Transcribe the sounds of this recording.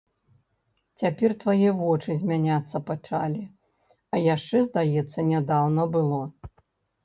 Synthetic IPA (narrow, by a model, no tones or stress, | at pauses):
t͡sʲapʲɛrt̪vajɛvɔt͡ʂɨzʲmʲanʲat̪sːɐpat͡ʂalʲi | ɐjaʂt͡ʂɛzd̪ajɛt̪sːɐnʲad̪awnɐbɨlˠɔ